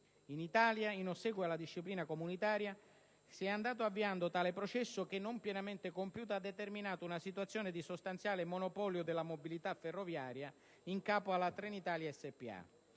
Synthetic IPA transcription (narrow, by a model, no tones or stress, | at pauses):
init̪aːljainosɛːɡwealːad̪iʃːipliːnakomunit̪aːɾja | siɛand̪aːt̪oavːiand̪ot̪aːlepɾot͡ʃɛsːʊkenːompjɛnament̪ɪkompjuːt̪aad̪ːet̪erminaːt̪ounasit̪wat̪sːjoːned̪isost̪ant̪sjaːlemonopɔljod̪elːamobilit̪afːerːovjaːɾja | iŋkaːpoalːat̪ɾenit̪aːljaɛsːepːia̰